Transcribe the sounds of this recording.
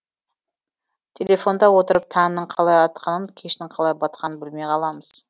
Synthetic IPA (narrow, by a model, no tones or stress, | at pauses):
t̪ʲʰelʲe̞fo̞nd̪ɑwo̞t̪əɾəp̚t̪ʰɑnnəɴqʰɑlˠɑjɑt̪qʰɑnənkʲʰeʃnɪɴqʰɑlˠɑjbɑt̪̚qɑnənbɪlmejqʰɑlˠɑməz̥